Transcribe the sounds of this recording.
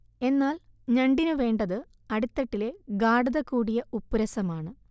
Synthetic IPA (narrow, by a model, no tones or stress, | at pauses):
e̞nːaːl | ɲɐɳɖinɨʋe̞ːɳɖɐðɨ | ɐɽut̪ːɐʈːile̞ɡaːɽuðɐkːuːɽijɐupːuɾɐsɐmaːɳɨ